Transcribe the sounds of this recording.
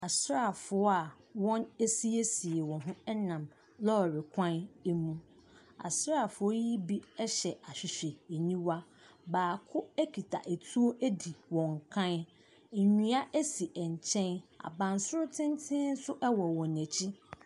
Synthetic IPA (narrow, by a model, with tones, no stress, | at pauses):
a˨sɾa˨fʊ˨˦ɔ˦a˨ | wɔ̃˦ne˦si˦e˦si˨e˨wɔ̃˨ɦʊ̃˦ɛ˦nã˨m | lɔ˦˨ɾɪ˨kʷʰã˦ne˦mũ˦ | a̰˨sɾa˦˨fʊ˨˦ɔ˦ji˦bi˦ɛ˦ɕɛ˨a˨ɕᶣɪ˨ɕᶣe˨e˨ɲĩ˦wa˦ | baː˨kʰʊ˦æ˦kʰi˨tʰa̰˨ʔe˨tʰu˦o˦ʔæ˦di˨wɔ̃˨ŋ˨kʰã˦n | e˨ɲĩ˦a˦ʔæ˦si˨ʔɛ˨ɲ˨t͡ɕʰɛ̃˦na̰˨bã˨n˨sʊ˦ɾʊ˦tʰɪ̃˦n˦tʰɪ̃˦n̩˦sʊ˦ʔwɔ˨wɔ̃˨næ̃˨t͡ɕʰi˦